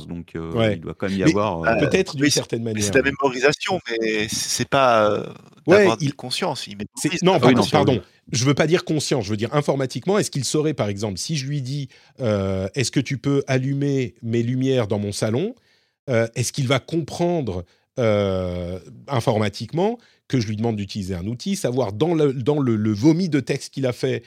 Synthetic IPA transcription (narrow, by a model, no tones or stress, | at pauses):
sd̪ɔ̃kʰøwɛild̪wa̰ɑ̃mɛmijamɛvwaʁpøt̪ɛt̪χəd̪ynsɛʁt̪ɛnmanjsɛːʁlamemɔʁizasjɔ̃mɛsɛ̥sɛpaø̰ | dwɛaʁdikɔ̃sjɑ̃simɛsɛnɔ̃ãpaʁd̪ɔ̃ | ʒəvøpad̪iʁkɔ̃sjɑ̃sʒəvød̪iʁɛ̃fɔʁmat̪ikmɑ̃ɛskilsɔʁɛpaʁɛɡzɑ̃plsiʒəlɥid̪i | øɛskət̪ypøʔalymemelymjɛʁd̪ɑ̃mɔ̃salɔ̃ | øɛskilvakɔ̃pχɑ̃d̪ʁ | ø | ɛ̃fɔʁmat̪ʰikmɑ̃ | kəʒəlɥid̪əmɑ̃d̪̚d̪yt̪ilizeɛ̃nut̪ʰisavwaʁd̪ɑ̃ləd̪ɑ̃lələvɔmid̪ət̪ɛkst̪̚kʲilafɛ